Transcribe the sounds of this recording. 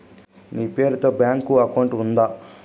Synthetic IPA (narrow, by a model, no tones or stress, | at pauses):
niːpe̞ːɾut̪o̞ːbjaːŋkuɐkɐwuɳʈund̪aː